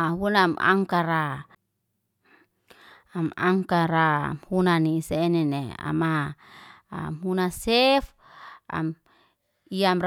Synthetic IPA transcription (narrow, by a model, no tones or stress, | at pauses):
ɦunama̰ŋkaɾa | amaŋkaɾa̰mhunanisenɛnea̰ma | mhunasɛf | a̰m | iamr